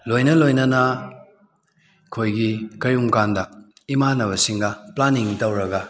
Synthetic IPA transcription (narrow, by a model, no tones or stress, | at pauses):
lojnɐlojnɐnɐ | kʰojɡikɐjumkandɐ | imanɐβɐsiŋɡɐplaniŋtɐwɾɐɡɐ